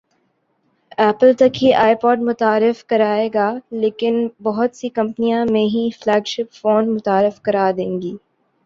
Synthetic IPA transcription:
ɛːpəlt̪ɐkɦiʔaːɪpɔːʈmʊt̪aːɾɪfkɐɾaːeːɡaːleːkɪnbɐɦʊt̪sikɐ̃mpnijãmẽɦiflɛːɡʃɪpfoːnmʊt̪aːɾɪfkɐɾaːd̪ẽːŋɡiː

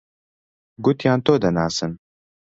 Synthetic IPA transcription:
ɡʊt̪jaːnt̪oːd̪ɐnaːsɨn

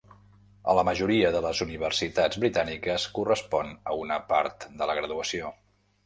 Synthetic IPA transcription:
ə̰ləməʒuɾiəðələzuniβ̞əɾsit̪ad͡zβɾit̪anikəskurəspɔnəunəpa̰ɾt̪d̪ələɣɾəðuəsio

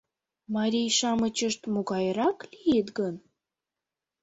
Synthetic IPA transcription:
mɑɾʲijʃɑmət͡ɕəʃt̪moɣɑjɾɑklijet̪ɡən

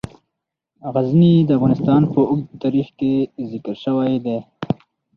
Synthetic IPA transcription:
ɣaznid̪əafɣɑnɪst̪ɑnpəʊɡd̪t̪ɑɾixkezɪkəɾʃəwajd̪e

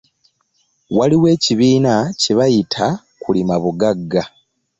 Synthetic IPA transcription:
waliwe̞ːciβiːnaciβajitʰa | kulimaβuɡaɡːa

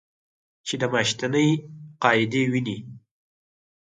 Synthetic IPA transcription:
t͡ʃed̪əmaʃt̪anəjqɑɪd̪ewini

